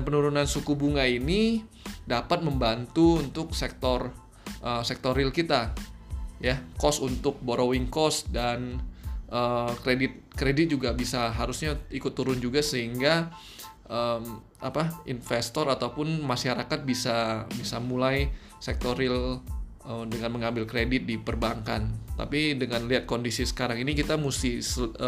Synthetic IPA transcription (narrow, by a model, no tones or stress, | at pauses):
npənuɾunansukubuŋaini | dapat̪̚məmbant̪uunt̪ʊk̚sɛk̚t̪ɔr | ʔəsɛk̚t̪orɪlkit̪a | jakɔsunt̪ʊk̚boɾowɪŋkɔsdanʔəːkɾedɪt̪̚kɾedɪt̪̚d͡ʒuɡabisaɦaɾusɲaikʊt̪ːuɾʊnd͡ʒuɡasəɦiŋɡa | ʔəm | a̰paʔinfest̪ɔɾat̪awpʊnmaʃaɾakat̪̚bisabisamulaj | sɛk̚t̪oɾɪl | ədəŋanməŋambɪlkɾedɪt̪̚dipərbaŋka̰nt̪a̰pidəŋanliɦat̪̚kondisisə̥kaɾaŋinikit̪amusɪhsə